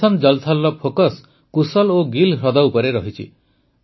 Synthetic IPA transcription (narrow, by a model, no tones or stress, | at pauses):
and͡ʒɔlt̪ʰalːɔpʰokɔs | kusɔloɡilɦɾɔd̪awpɔɾeɾɔɦit͡ʃʰḭ